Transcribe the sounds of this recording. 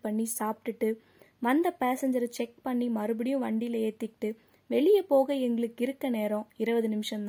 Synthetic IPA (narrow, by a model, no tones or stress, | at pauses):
pɐɳːisaːpʈɯʈːɯ | ʋɐnd̪ɐpaːsɐɲd͡ʒɐɾt͡ʃɛk̚pɐɳːimɐɾɯbɯɽɪjʊ̃ʋɐɳɖɪlɐeːt̪ːɪkʈːɯ | ʋɛɭɪjɐpoːɣɐɛŋɡɐɭɯkːɪɾɯkːɐneːɾõːɪɾɐʋɐðɯnɪmɪʂɐ̃nd̪